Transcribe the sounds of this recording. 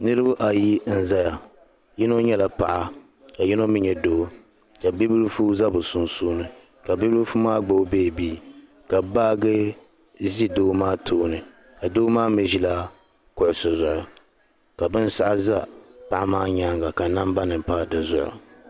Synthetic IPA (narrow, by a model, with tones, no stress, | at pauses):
nɨ˦ɾɨ˦ba˦ʔa˨ji˦n̩˦za˦ja˨ | jɛ˦no˦ɲɛ˦la˨pa̰˨ʔa˦ | ka˨jɛ˦no˦mɨ˦ɲɛ˨doː˦ | ka˨bi˦blfu˦za˦bɨ˨su˨nsuː˦nɨ˨ | ka˨bi˦blfu˦maː˦ɡ͡bo˦beː˦˨biː˦ | ka˨baː˦ɡɨ˦ | zi˦doː˦maː˦tʰoː˦nɨ˨ | ka˨doː˦maː˦me˨ʒi˦la˦ | kʊ˨ʔʊ˨sʊ˨zʊ˨ʔʊ˨ | ka˨bɨ˦n˦sa˦ʔa˦za˦pa˨ʔa˦maː˦ɲa˦ŋɡa˨ka˨na˦mba˦nɨ˨m˨pa˦dɨ˨zʊ̰˨ʔʊ̰˨